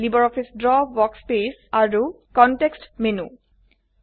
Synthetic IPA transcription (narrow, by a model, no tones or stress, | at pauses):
libɔɹɔfʰisdɹɔbɔkspesaɹu | kɔntekstmenu